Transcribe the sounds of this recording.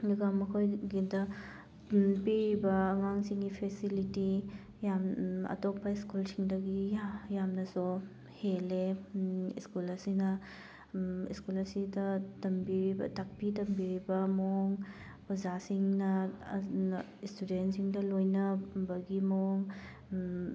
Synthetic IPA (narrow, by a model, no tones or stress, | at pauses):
luɡamɐkʰojɡidɐ | piɾibɐːŋaŋsiŋɡipʰesiliti | jamɐ̰topːɐiskulsiŋdɐɡiajamnɐsu | hele | iskulɐsinɐ | iskulɐsidɐtɐmbiɾibɐ̰tak̚pitɐmbiɾibɐmoŋ | uzasiŋnɐ | istudentsiŋdɐlojnɐbɐɡimoŋ